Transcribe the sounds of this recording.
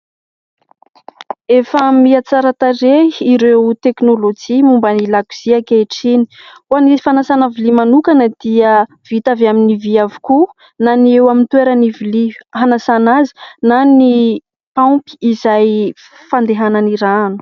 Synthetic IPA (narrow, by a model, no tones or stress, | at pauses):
efəmiat͡saɾat̪areiɾewt̪eknolod͡ʒimumbanilaku̥z̥iakeʈ͡ʂini̥ | uanisi̥fanasanavilimanukanəd̪̥iə | v̥it̪avaminiviavi̥ku | naniewamint̪weɾəniviliɦanasanazi̥nani | papi̥izaj | fand̪eɦananiɾanu̥